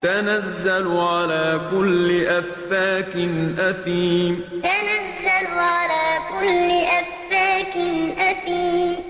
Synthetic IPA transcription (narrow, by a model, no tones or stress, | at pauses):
t̪anazːalʊʕalaːkʊlːɪʔafːaːkɪnʔaθiːmt̪anazːalʕalaːkʊlːɪʔafːaːkɪnʔaθiːm